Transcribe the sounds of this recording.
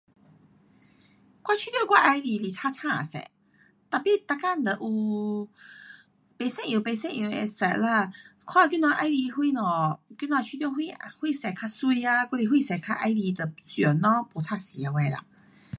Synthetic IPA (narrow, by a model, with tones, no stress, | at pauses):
kwa˦˧t͡ɕʰi˧t̪jɔ˥˧˨kwa˧ʔa˧jli˧li˧˨t̪ʰa˧t̪ʰã˥˧˨a̰˨sɛ̰˨ | t̪a˨˩pi˧˨t̪a˧˨ka˧˨n˨d̪ə˨ʔu˧ | pe˨sɛ̃˥˧˨ʔjũ˨pe˧˨sɛ̃˥˧˨ʔjũ˨ḛ˧sɛ˨˩la˧kʰwa˥˨˧k̬i˧˦n˧a˧ʔa˧˦jli˧hwi˧˨nɔ˨ki˧n˧ã˧˨t͡ɕʰi˧t̪jɔ˥˧˨hwi˧hwi˥˧˨sɛ˨˩kʰa˧su˧i˧a˧ka˦li˧ɦwi˧˨sɛ˨˩kʰa˧ʔa˧jli˧t̪ə˨˩t͡sju˨˩nɔ̃˧˦po˨˩tʰa˥˧˨si˨a˨˧we˧˨la̰˧˨